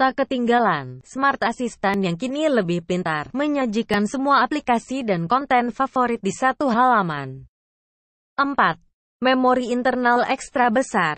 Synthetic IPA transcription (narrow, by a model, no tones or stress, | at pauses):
t̪akət̪iŋɡalansmart̪asist̪anjaŋkiniləbɪhpəlint̪arməɲad͡ʒikansəmuaːplikasidankɔnt̪ɛnfafoɾit̪̚disat̪uɦalama̰n | ʔəmpat̪̚ | mɛmoɾiːnt̪ərnalɛkst̪ɾabəsar